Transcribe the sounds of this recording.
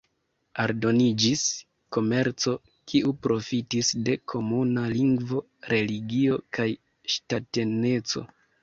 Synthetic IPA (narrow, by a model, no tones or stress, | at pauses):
aɾdo̞nid͡ʒis | ko̞me̞ɾt͡so̞ | kʰiupɾo̞fitisde̞kʰo̞munaliŋɡvo̞ | ɾe̞liɡio̞kaj | ʃtate̞ne̞t͡so̞̰